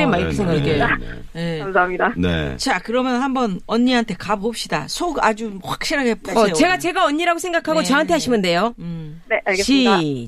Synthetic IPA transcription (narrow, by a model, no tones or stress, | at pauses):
emaiɾkesʰeŋɡakejekamsaɦamɲidanḛt͡ɕakɯɾʌmjʌnhambʌnʌɲːiɦantʰe̞kabop̚ɕ͈ida̰sʰoɡa̰d͡ʑuɸwak̚ɕ͈iɾɦaɡep͈ejoe̞ɡat͡ɕe̞ɡaʌɲːiɾaɡosʰe̞ŋɡakʰaɡot͡ɕʌɦantʰe̞aɕʰimɯnde̞jone̞ʔaɭɡeɕi